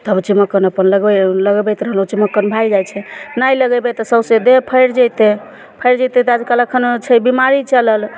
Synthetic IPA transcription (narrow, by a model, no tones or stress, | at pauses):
t̪əbt͡ʃiməkːənəpənləɡɛləɡbɛjt̪ɾəɦəlɦũt͡ʃiməkːənbʱajd͡ʒajt͡ʃʰɛnajləɡɛbɛt̪əsəbsed̪epʰəjɾd͡ʒəjt̪e | pʰəjɾd͡ʒəjt̪et̪ad͡ʒkələkʰənt͡ʃʰɛbimaɾit͡ʃələl